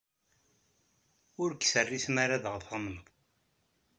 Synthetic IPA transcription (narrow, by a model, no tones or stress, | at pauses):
ʊɾkːsərːismaɾaðəʁθɑmənðˤ